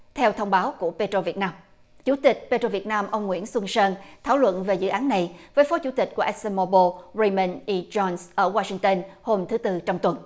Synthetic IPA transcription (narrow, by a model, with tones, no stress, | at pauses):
t̪ʰɛ˧wt̪ʰə˧wŋ͡mɓaː˨˦wku˧˩əpe˧t̪o˧vi˨˩ət̚naː˧m | t͡ɕu˧˩˦t̪ï˨˩k̟̚pe˧to˧vi˨˩ət̚naː˧mʔə˧wŋ͡mŋwḭ˧˥ənswə˧nsəː˧nt̪ʰaː˧˩wlwə̰˧˨nve˨˩zɨ̰˧˨ʔaː˨˦nːa˨˩jvəː˨˦jfɔ˨˦t͡ɕu˧˩t̪ï̟˨˩ku˧˩əʔɛ˦˥sɛ˧nmɔ˧ɓo˧ɹi˧mə˧nʔi˧t͡ɕɔ˧nsʔəː˧˩waː˧si˧ŋt̪ə˧nho˧mt̪ʰɨ˨˦t̪ɨ˧t͡ɕɔ˧wŋ͡mt̪wə˨˩n